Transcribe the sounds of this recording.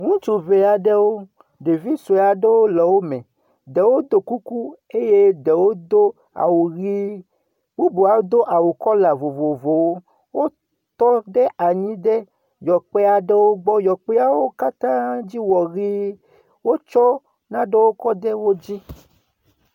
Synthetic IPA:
ŋũ˦t͡ʃu˨ve˨a˨ɖɛ˦wo˦ | ɖe˨vi˦so˨a˨ɖɛ˦wo˦lɛ˨wo˦mɛ̃˨ | dɛ˨wo˦d̪o˨ku˦ku˦ | e˦je˦ɖɛ˨wo˦d̪o˦ | a̰˨wɣi˦ | wo˦bu˨a˨wo˦d̪o˦ʔa˨wu˨kɔ˦la˨vo˨vo˨vo˨wo˦ | wo˦ | t̪ɔ˦ɖɛ˦ʔa˨ɲĩ˦ɖɛ˦ | jɔ˨k͡pɛ˦a˨ɖɛ˦wo˦ɡ͡bɔ˦jɔ˨k͡pɛ˦a˦wo˦ka˦t̪ã˦d͡ʑi˦wɔ˨ɣi˦ | wo˦t͡ʃɔ˦ | nã˦ɖɛ˦wo˦kɔ˦d̪ɛ˦wo˦d͡ʑi˦

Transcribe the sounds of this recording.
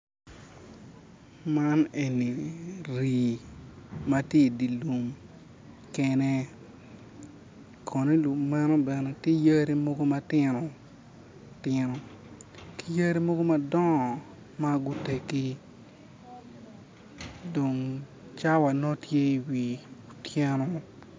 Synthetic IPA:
ma˦ne˨nːi˨ɾi˨ | ma˦tje˦i˨di˨lu˨m | kɛ˦nɛ˦ | kʰo˨ne˦lu˨maɛ˦no˦bɛ˨ne˨te˦jə˦ɾi˦mo˦ɡo˦ma˦tɪ˦no˨ | tɪ˦no˨ | ki̥˨˦jə˦ɾi˦mo˦ɡo˦ma˦dɔ˦ŋ˨ | ma˦ɡu˦te˨ki˦ | do˨ŋ | t͡ʃa˦wa˨no˦tje˦i˨wi˨o˨tjɛ˦no˦

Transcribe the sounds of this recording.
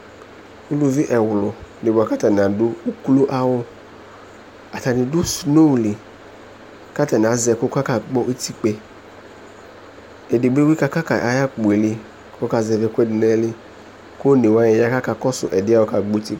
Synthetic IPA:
u˦lu˧vi˦ʔɛ˨wʊ˨lʊ˨ne˨bo˨a˨ka˦ta˨n˨a˨dʊ˦u˦klu˦ʔa˧wʊ˧ | a˨ta˨nɪ˨du˦sno˦˨li˨ | ka˦ta˨n˨a˨˦zɛ˧ko˦ka˦ka˦ɡ͡bɔ˦ʔi˦ti˦k͡pe˧ | ɛ˨di˨ɡ͡be˦wi˦ka˧ka˦ka˨ʔa˧ja˦k͡pe˨li˧ | ko˦ka˧zɛ˧vɛ˧kʷɛ˦dɪ˨nɛ˦li˧ | ko˦ne˨wa˦jɛ˨ja˦ka˦ka˧kɔ˦sʊ̰˨ʔɛ˨dɪ˨˦a˦wo˧ka˧ɡ͡bo˦ti˧˦

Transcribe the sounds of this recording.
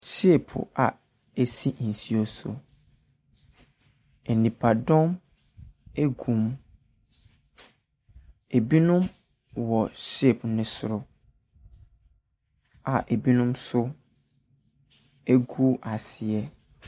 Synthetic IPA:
ɕe˦˨pʰʊ̰˨a˨ | e˨si˦˨n̩˨si˦o˦sʊ̰˨ | e˨nĩ˨pʰa˨dɔ̃˦m | e˦ɡũ˨m | e˨bi˦nʊ̃˦m | wɔ˨ɕe˦˨pnɪ̃˦sʊ˨ɾʊ˦ | a˨ʔe˨bi˦nʊ̃˦msʊ˦ | e˦ɡu˦ʔa˨sɪ˨ɛ˦

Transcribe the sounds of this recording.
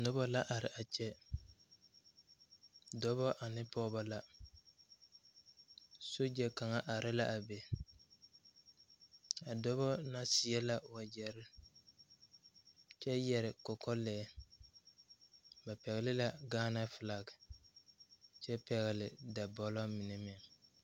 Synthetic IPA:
nʊ˦bɔ˦la˦ʔa˨ɾɪ˨ʔa˨t͡ʃɛ˦ | dɔ˦bɔ˦ʔa˨nɪ˦pɔ˦ba˦la˦ | so˦d͡ʒɛ˨ka˨ŋa˦ʔa˨ɾɪ˦la˦ʔa˨be˨ | a˨dɔ˦bɔ˦na˦sɪ˨ɛ˦la˦wa˨d͡ʒɛ˨ɾɪ˦ | t͡ʃɛ˦jɛ˨ɾɪ˨kɔ˨kɔ˦lɛː˨˦ | ba˨pɛ˨ɣɪ˨lɪ˦la˨ɡaː˦na˦fɪ˨la˨ɡɪ˨ | t͡ʃɛ˦pɛ˨ɣɪ˨lɪ˨da˨bɔ˨lɔ˦mi˨nɛ˨mɪ˦a˨

